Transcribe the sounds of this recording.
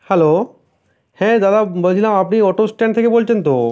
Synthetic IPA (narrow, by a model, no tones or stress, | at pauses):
hɛlo | hɛ̃d̪ad̪abolt͡ɕʰilamapniɔʈosʈɛɳɖt̪ʰekebolt͡ɕʰent̪o